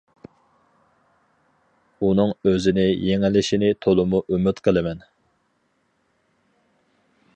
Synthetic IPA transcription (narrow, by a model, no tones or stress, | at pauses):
unɨŋøzɪnɪjeŋɪlɪʃinɪt̪ʰolˠʊmuʔymyt̪qʰəlˠɨmɛn